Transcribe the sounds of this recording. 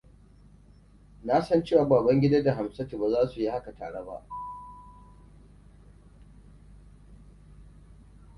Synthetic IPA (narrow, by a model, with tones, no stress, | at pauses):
na˦sɐ˦nt͡ʃeː˦waː˨baː˨bɐ˦ŋɡʲɪ˦da˦da˨ɦa˨msɐ˦ti˨ba˨zaː˦su˨ji˦ha˦ka˨ta̰ː˨ɽe˦ba̰˦ʔ